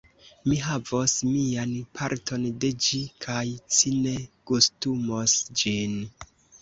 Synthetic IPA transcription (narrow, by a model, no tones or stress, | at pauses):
miɦavosmianpʰaɾtʰo̞nde̞d͡ʒikʰajsine̞kustumosd͡ʒin